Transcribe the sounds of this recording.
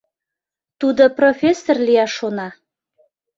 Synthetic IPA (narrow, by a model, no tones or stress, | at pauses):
t̪ud̪oprofʲesːorlijɑʃonɑ